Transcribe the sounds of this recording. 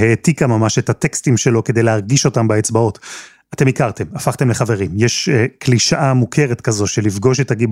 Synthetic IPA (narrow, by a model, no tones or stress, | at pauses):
hetikamamaʃethatekstimʃe̞lo̞ke̞d̪ejlehaʁɡiʃo̞tambaet͡sbao̞t | ate̞mikaʁte̞mafaχt̪e̞mle̞χave̞ʁimjɛʃekliʃaʔamukʰe̞ʁetkazo̞ʃelifɡo̞ʃ̬etaɡi